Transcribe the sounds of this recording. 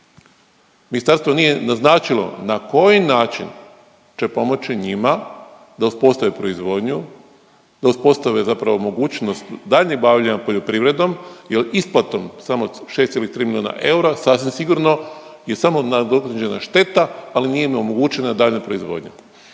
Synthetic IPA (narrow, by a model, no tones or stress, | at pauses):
minist̪aɾst̪ʋo̞nije̞naznaːt͡ʃilo̞̰nako̞jinaːt͡ʃḭn | t͡ʃe̞po̞mo̞t͡ʃiɲima | d̪auspo̞st̪aʋipɾo̞izʋo̞d̪ɲu | d̪auspo̞st̪aʋezapɾaʋomo̞ɡuːt͡ʃno̞st̪d̪aːʎɲeɡbaʋʎaɲapo̞ʎo̞pɾiʋɾe̞d̪o̞mjelisplat̪o̞msamoʃe̞st̪ilit̪ɾiːmiliona̰ʔe̞uɾasasʋimsiɡuɾno̞je̞samo̞nad̪okad͡ʒe̞na̰ʃt̪e̞t̪aːlinijemomo̞ɡuːt͡ʃenad̪aʎɲapɾo̞izʋo̞̰ːd̪ɲe